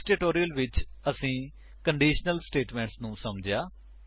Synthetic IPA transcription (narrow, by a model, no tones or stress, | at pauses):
sʈeːʈoːɾijəlʋɪt͡ʃəsĩː | kəɳɖiːʃnəlsʈeːʈmɛ̃ːɳʈsnũːsəmd͡ʒejaː